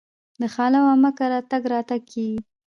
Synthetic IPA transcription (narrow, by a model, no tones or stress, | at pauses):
d̪əxɑlawamakaɾɑt̪aɡɾɑt̪aɡ̚kʰeɡi